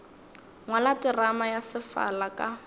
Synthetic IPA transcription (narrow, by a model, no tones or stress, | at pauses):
ŋwalatɪramajasɪfa̰lakʼa